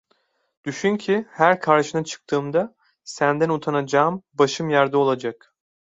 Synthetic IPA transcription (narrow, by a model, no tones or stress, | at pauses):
d̪̥yʃynʲcʰihæɾkʰaɾʃɯnat͡ʃʰɯ̥k̚t̪ʰɯːmd̪a | sænd̪ænut̪ʰanad͡ʒaːmbaʃɯmjaɾd̪ɯo̞lˠad͡ʒak